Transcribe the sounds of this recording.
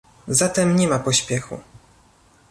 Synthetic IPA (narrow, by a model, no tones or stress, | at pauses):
zat̪ɛmɲɛmapɔɕpʲjɛxṵ